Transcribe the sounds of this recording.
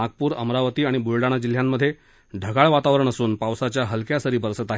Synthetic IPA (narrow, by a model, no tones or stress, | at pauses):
aɡ̚puːɾə̰mɾaʋət̪iːaɽ̃ibuɾɖaɽ̃ad͡ʑil̤jamːəd̪ʱːje | ɖʱəɡaɭʋat̪aʋɾəɳ̃əsuːnpawsat͡ɕjaɦəlkjasəɾiːbəɾsət̪aɦ